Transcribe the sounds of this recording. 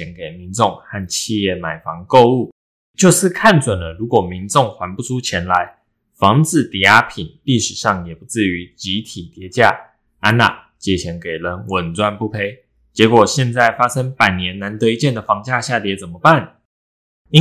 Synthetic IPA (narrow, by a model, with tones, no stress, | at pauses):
ɛ˧˥nke˨˩ɪmi˨˦nt͡so˥˧˨ŋha˥˩nt͡ɕʰi˥˧jɛ˥˩ma˨˩ɪfɑ˧˥ŋko˥˧ʊu˥˩ | t͡ɕjo˥˧ʊʂɻ̩˥˨kʰa˥˩nt͡swə˨˩nlə˦ɻu˨˥kwɔ˨˩mi˧˦nt͡so˥˩ŋxwa˧˥npu˥˩ʈ͡ʂʰu˥t͡ɕʰjɛ˧˥nla˧˦ɪ | fɑ˧˥ŋt͡sɹ̩˨˩t̪i˨˩a˥pʰi˨˩nli˥˩ʂɻ̩˨˩ʂɑ˥˩ŋjɛ˨˩pu˧˦t͡sɹ̩˥˩y˧˦t͡ɕi˧˥t̪ʰi˨˩t̪jɛ˧˥t͡ɕja˥˩ | a˥nːa̰˨˩ | t͡ɕjɛ˨˥˩t͡ɕʰjɛ˧˥nke˨˩ɪlə˧˦nwə˨˩nt͡swa˥˧npu˥˩pʰe˥ɪ | t͡ɕjɛ˧˥kwɔ˨˩ɕjɛ˥˧nt͡sa˥˩ɪfa˥sɤ˥ŋpa˨˩ɪnjɛ˧˦˥nna˧˥nt̪ɤ˧i˧˦t͡ɕjɛ˥˩nd̪ə˨˩fɑ˧˥ŋt͡ɕja˥˧ɕja˥˩t̪jɛ˧˥t͡sə˨˩nmə˩pa˥˨n | i˥